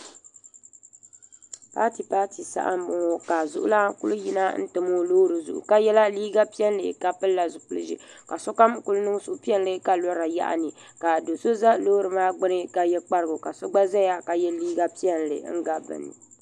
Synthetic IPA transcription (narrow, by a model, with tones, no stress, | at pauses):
pa̰ː˦ti˨paː˦ti˨sa̰˦ʔa̰˦m˦mɔ˨ŋɔ˦ka˨zʊ˦ʔʊ̰˦la˦kʊ˦lu˦ji˦na˦n̩˦tɨ˨mo˦loː˦ɾɨ˨zʊ̰˨ʔṵ˨ka˦jɛ˦la˦liː˦ɡa˦pi˦ɛ˦n˦lɨ̰˨ka˦pɨ˦lːa˨zʊ˨pʊ˦lɨ˦ʒḭ˦ | ka˨sɔ˦ka˦mkʊ˦lnɨ˦sʊ˨ʔʊ˦pi˦ɛ˦n˦lɨ˦ka˦lɔ˦ɾa˨ja̰˦ʔa̰˨nɨ˨ | ka˨do˨so˦za˦loː˦ɾɨ˨maː˦ɡ͡bɨ˦nɨ˦ka˨jɛ˦k͡pa˦ɾɨ˦˨ɡʊ˨ka˨so˦ɡ͡ba˦za˦ja˦ka˨jɛ˦liː˦ɡa˦pi˦ɛ˦n˨lɨ̰˨ŋ̩˦ɡa˦˨bɨ̰˨nɨ̰˨